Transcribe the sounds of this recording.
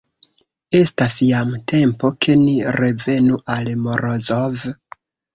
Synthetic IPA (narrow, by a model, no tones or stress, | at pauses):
e̞stasjamtʰe̞mpo̞kʰe̞niɾe̞ve̞nuʔalmoɾozov